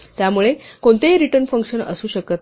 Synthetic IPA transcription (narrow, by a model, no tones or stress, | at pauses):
t̪jamuɭekoɳt̪eɦiɾiʈəɾnfəŋkʂənə̰suːɕəkət̪